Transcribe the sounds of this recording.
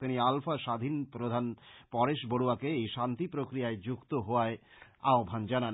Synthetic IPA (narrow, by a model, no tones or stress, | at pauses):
t̪inialfaʃad̪ʱinpɾod̪ʱanpɔɾeʃboɽuakeejʃant̪ipɾokɾijaed͡ʑukt̪oɦoaea̰obʱand͡ʑanan